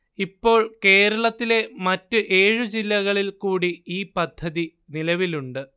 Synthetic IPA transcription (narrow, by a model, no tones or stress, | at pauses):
ipːo̞ːɭke̞ːɾɐɭɐt̪ːile̞mɐtːɨʔe̞ːɻud͡ʑilːɐɣɐɭilkuːɽiiːpɐd̪ʱːɐði | nilɐʋiluɳɖɨ